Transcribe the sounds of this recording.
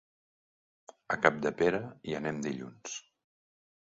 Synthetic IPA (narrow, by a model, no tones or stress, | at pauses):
əkap̚d̪əpeɾəiənɛmd̪iʎṵns